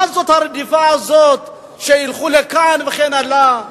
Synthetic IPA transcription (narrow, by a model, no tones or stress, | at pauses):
azot̪haɾedifaːzot̪ | ʃeilχulɛkanveχɛnala